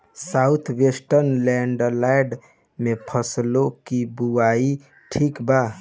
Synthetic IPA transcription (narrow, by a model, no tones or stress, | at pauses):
saut̪ʰwesʈəɾnlɛɳɖəlajɖ | mepʰəslokibuai | ʈʰikba